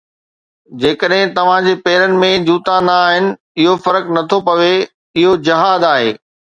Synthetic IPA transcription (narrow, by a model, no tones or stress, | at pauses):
d͡ʑeːkəɗɦɪ̃t̪ɐʋ̤ãd͡ʑeːpeːɾənɪ̆mẽd͡ʑuːt̪anaːɦɪnɪ̆ | ɪɦofɐɾəknɐt̪ʰopɐʋe | ɪɦod͡ʑɐɦaːd̪aːɦḛː